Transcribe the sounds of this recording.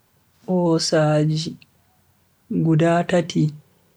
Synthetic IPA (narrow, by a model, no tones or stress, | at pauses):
ʔɔːsaːd͡ʒi | ɡudaːtatʰi